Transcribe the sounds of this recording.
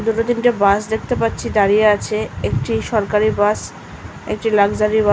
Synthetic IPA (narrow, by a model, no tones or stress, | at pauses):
d̪uʈod̪inʈebasd̪ek̚ʰt̪epatːɕʰid̪aɾijeat͡ɕʰeek̚ʈiʃɔɾkaɾibas | ḛk̚ʈilaɡd͡ʑaɾiba